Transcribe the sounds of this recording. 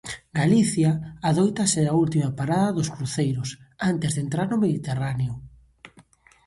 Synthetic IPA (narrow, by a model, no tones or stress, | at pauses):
ɡaliθjaːðojt̪ɐseault̪imapaɾaðɐðʊskɾuθejɾʊsant̪ezðent̪ɾaɾnʊmeðit̪eraneʊ